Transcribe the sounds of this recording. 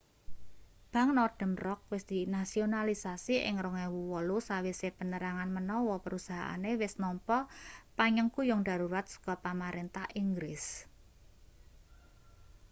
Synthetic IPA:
b̥a̤ŋnɔrd̪̥ə̤mrɔk̚wɪsd̪̥inasionalisasiʔɪ̰ŋɾɔŋewuwɔlusawisepənəɾaŋanmənɔwɔpəɾusaɦa̰ʔa̰newɪsnɔmpɔpaɲəŋkujʊŋɖ̥a̤ɾuɾat̪̚su̥kɔpamaɾent̪ahiŋɡɾɪs

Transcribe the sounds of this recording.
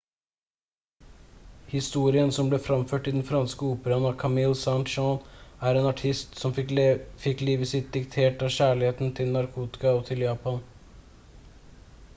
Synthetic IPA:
hɪst̪uːɾɪənsɔmbleːfɾɑmføːʈɪd̪n̩fɾɑnskəuːpəɾɑnɑkʰɑmɪlsænt̪ʃɔnæɾeːnɑʈʰɪst̪sɔmfɪkliːʋəsɪt̪̚d̪ɪkt̪ʰeːʈɑːçæːɭɪheːt̪n̩t̪ʰɪlnɑɾkʰuːt̪ɪ̥kɑɔt̪ʰɪljɑːpɑn

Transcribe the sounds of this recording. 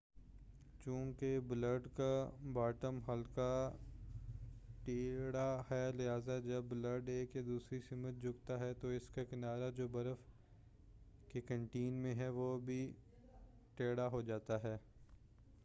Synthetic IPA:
t͡ʃũːkebləɾɖkabaːʈəmɦɐlka | ʈeːɽahɛːlɪɦaːzad͡ʒɐbːləɾɖeːkjad̪uːsɾisɪmət̪̚d͡ʒʱʊɡt̪aɦɛt̪oɪskakɪnaːɾad͡ʒoːbɐɾəf | kekə̃ɳʈiːnmẽɦɛʋobʱi | ʈeːɽaɦod͡ʒaːt̪aɦɛː

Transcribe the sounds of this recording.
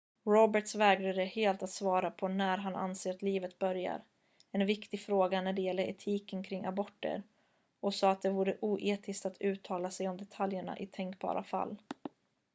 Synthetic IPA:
ɾɔbəʈsvɛːɡɾad̪əheːlt̪at̪svɑːɾapʰɔnæɾɦanʔa̰nseːɾat̪liːvət̪̚bœɾja̰ɾ | ɛnvɪkt̪ɪɡfɾoːɡanæɖɛjɛlːəɾɛ̰t̪ʰiːkənkʰɾɪŋːabɔʈːə̰ɾ | ɔsɑːat̪̚d̪ɛvuːɾəʔuːʔeːt̪ʰɪskt̪at̪ʰʉ̟ːt̪ʰːɑːlasɛjɔmd̪ɛt̪ʰaljəɳa̰ʔɪt̪ʰɛŋkbɑ̰ːɾʔafa̰lː

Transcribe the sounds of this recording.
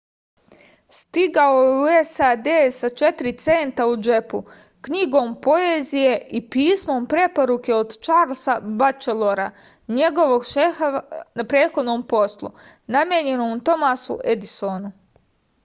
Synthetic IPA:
st̪iɡaouesad̪eːsat͡ʃe̞t̪ɾit̪se̞nt̪aud͡ʒe̞pṵ | kɲiɡo̞ːmpo̞eːzije̞ʔipiːsmo̞mpɾe̞po̞ɾuke̞od̪t͡ʃaːɾlsabat͡ʃelˠoɾa | ɲe̞ɡo̞ʋo̞ɡʃexanapɾe̞ːt̪xo̞d̪no̞mpo̞slˠṵ | namjeɲe̞nomut̪o̞masṵʔed̪isonu

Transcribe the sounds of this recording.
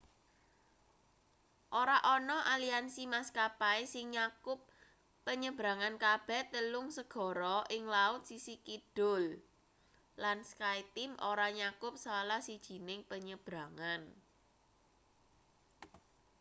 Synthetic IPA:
ʔoɾaʔɔnɔʔaliansimaskapaesɪŋɲakʊpː | əɲəb̥ɾa̤ŋankab̥ɛ̤t̪əlʊŋsəɡ̥ɔ̤ɾɔʔɪŋlaʊt̪̚sisikid̥ʊ̤l | lansə̥kait̪ɪmʔoɾaɲakʊp̚salahsid̥ʒ̥i̤nɪŋpəɲəb̥ɾa̤ŋan

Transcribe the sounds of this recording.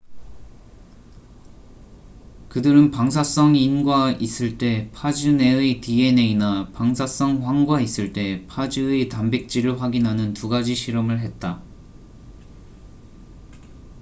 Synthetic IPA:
kɯdɯɾɯnpaŋs̬ʰas͈ʌŋinɡwais͈ɯɭt͈e̞pʰad͡ʑine̞ɯtie̞ne̞inapaŋsʰas͈ʌŋɸwaŋɡwais͈ɯɭt͈e̞pʰad͡ʑietambek̚t͡ɕ͈iɾɯɭɸwaɡinɦanɯntuɡad͡ʑiɕʰiɾʌmɯɭɦe̞t̚t͈a

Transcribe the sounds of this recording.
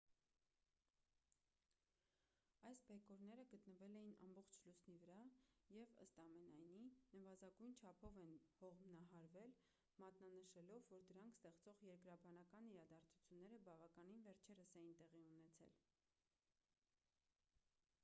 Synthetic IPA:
ɑjsbɛkɔɾnɛɾəɡət̪nəvɛlɛjinɑ̰mbɔχt͡ʃʰlusnivəɾɑjɛvə̰st̪ɑmɛnɑjninəvɑzɑɡujnt͡ʃʰɑpʰɔvɛnhɔʁmnɑɦɑɾvɛl | mɑt̪nɑnəʃɛlɔvːɔɾd̪əɾɑŋkʰst̪ɛχt͡sɔʁjɛɾkɾɑbɑnɑkɑniɾɑd̪ɑɾt͡sʰu̥t͡sʰjunːɛɾəbɑvɑkɑninvɛɾt͡ʃʰɛɾəsɛjint̪ɛʁiunɛt͡sʰɛ̰l

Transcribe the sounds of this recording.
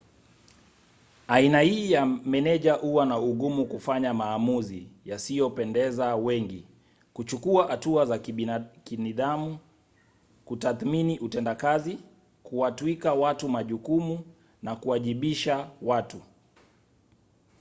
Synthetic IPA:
ainahiːjamɛnɛʄaʔuwanauɠumukufaɲamaːmuzijasijɔpɛndɛzawɛŋɡi | kut͡ʃukuahatuazakiniɗamu | kutaθminiʔutɛndakazi | kuwatuikawatumaʄukumu | nakuwaʄiɓiʃawatu

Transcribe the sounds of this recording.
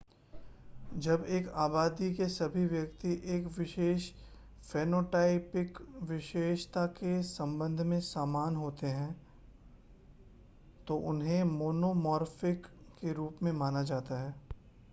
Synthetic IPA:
d͡ʒɐbeːkaːbaːd̪ikesɐbʱiʋjɐkt̪iʔeːkʋɪʃeːʃ | feːnoːʈaːɪpɪkʋɪʃeːʃt̪akesɐ̃mbə̃nd̪ʱmẽsaːmaːnɦoːt̪eɦɛ̃ | t̪oʔʊnɦẽmoːnoːmɔːɾfɪkːeɾuːpmẽmaːnad͡ʒaːt̪aɦɛː

